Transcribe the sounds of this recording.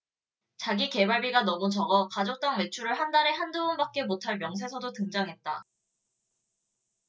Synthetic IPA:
t͡ɕaɡike̞baɭbiɡanʌmut͡ɕʌɡʌkad͡ʑok̚t͈aŋme̞t͡ɕʰuɾɯɭɦandaɾe̞ɦandounbak̚k͈e̞motʰaɭmjʌŋs̬ʰesʰʌdotɯŋd͡ʑaŋɦe̞t̚t͈a

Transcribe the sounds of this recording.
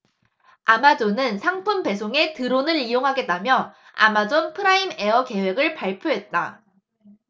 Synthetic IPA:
amad͡ʑonɯnsʰaŋpʰunpe̞s̬ʰoŋe̞tɯɾonɯɾijoŋɦaɡe̞t̚t͈amjʌ | a̰mad͡ʑonpʰɯɾaime̞ʌke̞we̞ɡɯɭpaɭpʰjoɦe̞t̚t͈a

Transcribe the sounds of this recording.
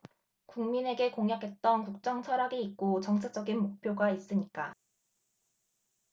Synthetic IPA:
kuŋmine̞ɡe̞koŋjakʰe̞t̚t͈ʌnkuk̚t͡ɕ͈ʌŋt͡ɕʰʌɾaɡiik̚k͈ot͡ɕʌŋt͡ɕʰat͡ɕ͈ʌɡinmok̚pʰjoɡais͈ɯɲik͈a

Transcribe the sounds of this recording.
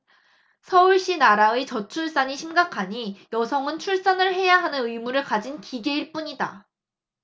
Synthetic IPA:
sʰʌuɭɕ͈inaɾaet͡ɕʌt͡ɕʰuɭs͈aɲiɕʰimɡakʰaɲijʌsʰʌŋɯnt͡ɕʰuɭs͈ʌnɯɭe̞jaɦanɯnɯimuɾɯɭkad͡ʑinkiɡe̞iɭp͈uɲida̰

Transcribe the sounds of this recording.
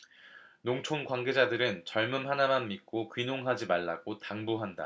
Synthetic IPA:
noŋt͡ɕʰonɡwanɡe̞d͡ʑadɯɾɯnt͡ɕʌɭmumɦanamanmik͈okɥinoŋɦad͡ʑimaɭːaɡ̥otaŋbuɦanda̰

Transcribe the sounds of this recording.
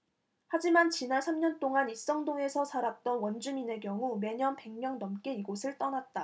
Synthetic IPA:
had͡ʑimant͡ɕinaɭsʰamɲʌnt͈oŋanis͈ʌŋdoŋe̞sʰʌsʰaɾak̚t͈ʌnwʌnd͡ʑumine̞kjʌŋume̞ɲʌnpe̞ŋmjʌŋnʌmk͈e̞iɡosʰɯɭt͈ʌnat̚t͈a

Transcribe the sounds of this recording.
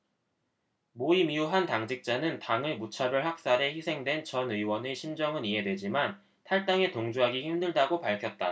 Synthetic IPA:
moimiuɦantaŋd͡ʑik̚t͡ɕ͈anɯntaŋɯmut͡ɕʰabɯɭhak̚s͈aɾe̞çisʰe̞ŋdwe̞nt͡ɕʌnɯiwʌneɕʰimd͡ʑʌŋɯniɦe̞dwe̞d͡ʑiman | tʰaɭt͈aŋe̞toŋd͡ʑuɦaɡiçimdɯɭdaɡopaɭkʰjʌt̚t͈a

